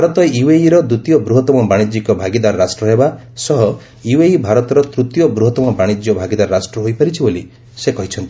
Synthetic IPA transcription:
bʱaɾɔt̪ɔiweiɾɔd̪ut̪jɔbɾuɦɔt̪ɔmɔbaɽ̃id͡ʒikɔbʱaɡid̪aɾɔɾasʈɾɔɦeba | sɔɦɔ | iweibʱaɾɔt̪ɔɾɔt̪ɾut̪jɔbɾuɦɔt̪ɔmɔbaɽ̃id͡ʒjɔbʱaɡid̪aɾɔɾasʈɾɔɦojpaɾit͡ʃʰiboli | sekɔɦit͡ʃʰɔnt̪i

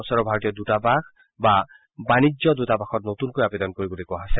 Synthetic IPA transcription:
ɔsɔɾɔbʱaɾɔt̪ijɔd̪utabakʰ | ba | banid͡ʒjɔd̪utabaxʰɔt̚not̪unkojabed̪ɔnkoɾibolekuaɦasa

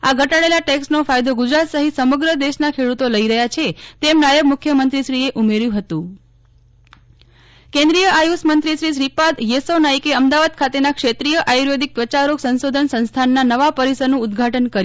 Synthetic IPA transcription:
aɡʱəʈaɭelaʈeksʈnofajd̪oɡud͡ʒɾat̪səɦit̪səməɡɾəd̪eʃnakʰeɽut̪oləiɾəɦjat͡ʃʰet̪emnajəbmʊkʰjəmənt̪ɾiʃɾieʔumeɾjũɦət̪ũ | kẽnd̪ɾijəʔajusmənt̪ɾiʃɾiʃɾipad̪jesonaikeəmd̪aʋad̪̚kʰat̪enakʃet̪ɾijəʔajuɾjed̪ik̚pɾət͡ʃaɾoksə̃nsod̪ʱənsə̃nst̪ʰanːanəʋapəɾisəɾnũːd̪ɡʱaʈənkəɾ

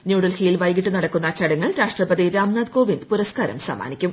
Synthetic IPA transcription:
njuːɽɐlhiːjilʋɐjɡiʈːunɐɽɐkːunːɐt͡ɕɐɽɐŋːɐɭɾaːʂʈrɐpɐðiɾaːmnaːd̪ko̞ːʋind̪puɾɐskaːɾɐ̰msɐ̰ma̰ːnikʲːum

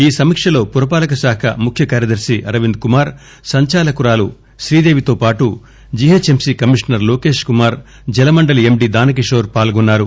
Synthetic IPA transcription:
iːsɐmikʂɐlo̞ːpuɾɐpaːlɐkɐsaːkʰɐ̰mukʰjɐkaːɾjɐd̪ɐɾsiʔɐɾɐʋind̪̚kumaːɾ | sɐɲt͡ʃaːlɐkuɾaːlu | ʃɾiːd̪e̞ːʋit̪oːpaːʈu | d͡ʒiɦet͡ʃemsikɐmiʂnɐɾloːke̞ːʂkumaːɾ | d͡ʒɛlɐmɐɳɖɐliemɖiːd̪aːnɐk̬iʂoːɾpaːlɡɔnːaːɾu

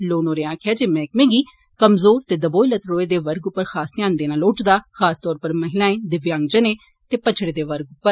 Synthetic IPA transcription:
loːnoːɾeːãːkʰjaːd͡ʒeːmɛ̃ːkmẽːɡiː | kəmzoːɾt̪eːd̪əboːilət̪ɾoːeːd̪eːʋəɾɡʊpːəɾxʰaːst̪ɪjãːnd̪eːnaːloːʈd̪aːxʰaːst̪ɔːɾpəɾməɦɪlãːẽːd̪ɪʋjãːŋɡd͡ʒəneː | t̪eːpət͡ʃʰɽeːd̪eːʋəɾɡʊpːəɾ

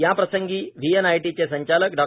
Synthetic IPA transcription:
japɾəsəŋɡiːʋienajʈit͡sesəɲt͡ɕalək̚ɖɔ

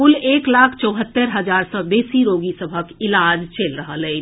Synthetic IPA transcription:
ʊleːklaːkʰt͡ʃəʊɦət̪ːəɾɦɐzaːɾsɔbeːsiɾoːɡisəbʱəkɪlaːd͡ʒt͡ʃeːlɾəɦəle

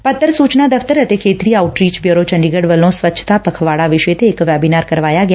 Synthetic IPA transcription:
pət̪ːəɾsut͡ʃnad̪əft̪əɾət̪ekʰet̪ɾiauʈɾit͡ʃbjoɾot͡ʃəɳɖiɡəɽʋəlõsʋət͡ʃːʃʰə̥t̪apəkʰʋaɽaʋɪʃet̪ʰeːkʋabinaɾkəɾʋajaɡja

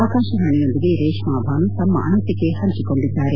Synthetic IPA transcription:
aːkaːʃɐɾɐɳijo̞nd̪iɡe̞ɾeːʃmaːbʱaːnut̪ɐmːɐ̰ʔɐ̰nɐt̪ːikːe̞hɐɲt͡ʃiko̞ɳɖid̪ːaːɾe

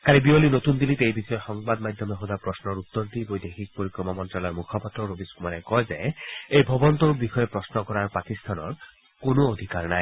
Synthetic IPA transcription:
kalibiolinot̪und̪ilit̪eejbixɔɔxɔŋbad̪mad̪ʱɔmeɦod̪apɹɔsnɔɾut̪ːoɾt̪ibojd̪ekʰik̚poɾikɾɔmamɔntɾalɔjmukʰɔpat̪ɾɔɾobiskumaɾekɔezeejbʱɔbɔnt̪obixɔjepɹɔsnɔkɔɾaɹpakist̪ʰanɔ̰ɹ | konood̪ʱikaɾnaj

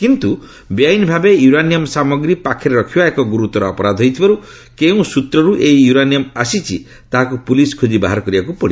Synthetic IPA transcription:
kint̪u | bjajnbʱabejuɾanijɔmsamɔɡɾipakʰeɾɔɾɔkʰibaekɔɡuɾut̪ɔɾɔɔpɔɾad̪ʱɦɔjt̪ʰibaɾu | keũsut̪ɾɔɾuʔeijuɾanjɔmasit͡ʃʰi | t̪aɦakupuliskʰod͡ʒibaɦaɾɔkɔɾibakupɔɽi

